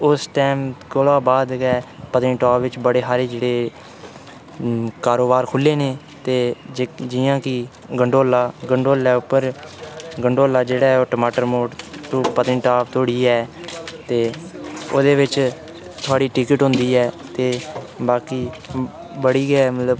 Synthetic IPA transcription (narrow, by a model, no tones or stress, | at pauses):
ʊsʈɛːmkolaːbaːd̪kɛːpət̪ɪ̃ːʈaːpʋɪt͡ʃbəɽeːɦaːɾeːd͡ʒeːɽeː | kaːɾoːbaːɾkʰʊlːeːneː | t̪eːd͡ʒɪjãːkɪ | ɡəɳɖoːlaːɡəɳɖoːlɛːʊpːəɾ | ɡəɳɖoːlaːd͡ʒeːɽɛːɔːʈomaːʈəɾmoːʈt̪õːpət̪ɪ̃ʈaːpt̪oːɽiːɛːt̪eːoːd̪eːʋɪt͡ʃ | t̪ʰʊaːɽiːʈɪkəʈɦʊ̃nd̪iːɛː | t̪eːbaːkiː | bəɽiːɡɛːmət̪ləb